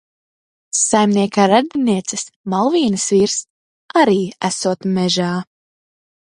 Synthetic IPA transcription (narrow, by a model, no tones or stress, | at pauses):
sajmnʲiɛkaːɾad̪̚d̪inʲiɛt̪sɨsmalˠviːnɨsviːɾs | aɾiːæsuɔt̪mɛʒaː